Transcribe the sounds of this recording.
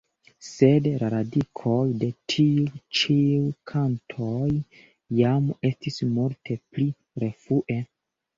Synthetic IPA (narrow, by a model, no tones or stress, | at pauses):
se̞dlaɾadikʰo̞jde̞tʰiut͡ʃiukʰantʰojː | ame̞stismultʰe̞pli | ɾe̞fuʔe̞